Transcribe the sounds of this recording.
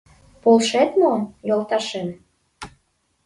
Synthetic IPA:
polʃet̪mojolˠt̪ɑʃen

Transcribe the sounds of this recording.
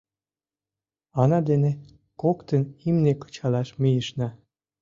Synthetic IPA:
ɑnɑd̪ene | kokt̪ənimnekə̥t͡ɕɑlɑʃmijəʃnɑ

